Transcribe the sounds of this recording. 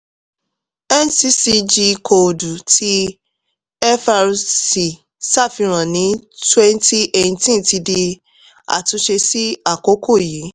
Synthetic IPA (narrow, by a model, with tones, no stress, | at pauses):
ɛ˦n˦si˧si˧d͡ʒi˧ko˨du˨tʰi˦ | ɛ˦fa˧ɾsi˨ | sa˦˨fi˧ɾ̃ã˨nĩ˨˦twɛ˦n˦ti˦ʔẽ˨ĩ˨˧tĩ˦n˨ti˧de˧ | a̰˨tũ˧ʃe˧si˦a˦˨ko˨˦kʰo˦˨ji˨˦